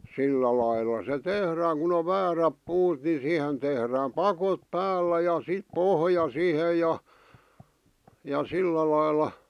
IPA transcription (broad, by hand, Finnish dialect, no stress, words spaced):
silːæ lɑilːɑ se tehræːŋ kun oʋ ʋæːræp puːt ni siˑhen tehræːm pɑkot pæːlːæ jɑ sit pohjɑ sihe jɑ jɑ silːæ lɑilːɑ